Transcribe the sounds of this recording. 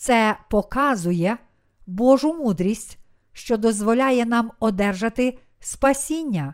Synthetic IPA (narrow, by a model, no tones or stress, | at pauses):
t̪sɛpɔkɑzʊjɛ | bɔʒʊmud̪ɾʲisʲtʲ | ʃt͡ʃɔd̪ɔzʋɔlʲɑjɛn̪ɑmɔd̪ɛrʒɐt̪ɪ | spɐsʲinʲːɐ